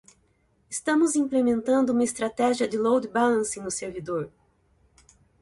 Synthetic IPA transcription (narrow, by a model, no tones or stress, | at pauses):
ɪst̪ɐ̃mʊzĩplemẽnt̪ɐ̃nd̪ʊũmɐɪest̪ɾat̪ɛʒiɐd̪ɪlowd̪balɐ̃sĩnʊseɾvid̪oɾ